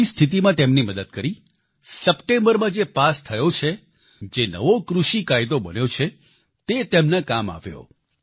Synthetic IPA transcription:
ist̪ʰit̪̬imãt̪emniməd̪əd̪kəɾi | səpʈẽmbəɾmãd͡ʒepast̪ʰəjot͡ʃʰe | d͡ʒenə̰ʋokɾuʃikajd̪obənjot͡ʃʰe | t̪et̪emnakama̰ʋjo̰

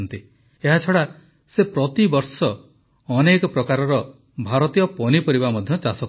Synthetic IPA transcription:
nt̪i | eɦat͡ʃʰɔɽa | sepɾɔt̪ibɔɾsɔ | ɔnekɔpɾɔkaɾɔɾɔ | bʱaɾɔt̪ijɔpɔnipɔɾibamɔd̪ʱjɔt͡ʃasɔk

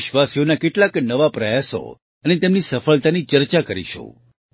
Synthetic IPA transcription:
ʃʋasijonakeʈlaknəʋapɾəjaso̰ | ənet̪emnisəfəɭt̪anit͡ʃəɾt͡ʃakəɾḭʃõ̰

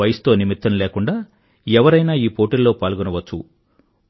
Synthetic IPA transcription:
ɐjɐst̪o̞ːnimit̪ːɐmleːkuɳɖaː | ɛʋɐɾɐjnaːiːpo̞ːʈilːo̞ːpaːlɡunɐʋɐt͡ʃːṵ

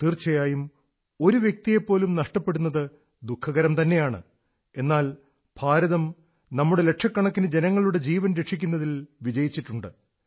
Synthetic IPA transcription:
t̪iːrt͡ɕːɐjaːjum | o̞ɾuʋje̞k̚t̪ije̞pːo̞ːlumnɐʂʈɐpːe̞ɽunːɐðɨ | d̪ukʰːɐɣɐɾɐmt̪ɐnːe̞jaːɳɨ̰ | e̞nːaːl | b̥ʱaːɾɐðɐm | nɐmːuɽe̞le̞ʈʂɐkːɐɳɐkːinɨd͡ʑe̞nɐŋːɐɭuɽe̞d͡ʑiːʋɐnɾeʈʂikʲːunːɐðilʋid͡ʑɐjit͡ɕːiʈːuɳɖɨ

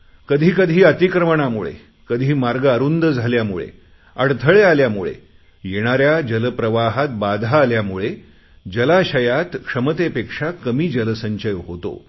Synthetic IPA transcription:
kəd̪ʱiːkəd̪ʱiːət̪ikɾəməɳ̃amuɭḛ | kəd̪ʱiːmaɾɡəaɾund̪əd͡zʱaljamuɭḛ | əɽt̪ʰəɭealjamuɭḛ | jeɽ̃aɾjad͡ʑələpɾəʋaɦat̪̚bad̪ʱaːljamuɭe | d͡ʑəlaɕəjat̪kʂəmət̪epekʂakəmiːd͡ʑələsəɲɕəjɦot̪o̰

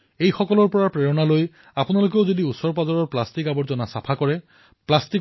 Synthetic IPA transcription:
ejxɔkɔlɔɹpɔɹapɹeɹɔnaloj | apʊnalok̬eʊzodiusɔɹpazɔɹɔɹplastikabɔɹzɔnasapʰakɔɹɛ | plastik

